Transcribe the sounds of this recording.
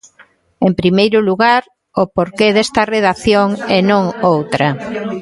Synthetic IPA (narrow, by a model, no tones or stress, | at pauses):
empɾimejɾʊluɣaɾ | opoɾkeðest̪ɐreðaθjoŋɛnõŋowt̪ɾɐ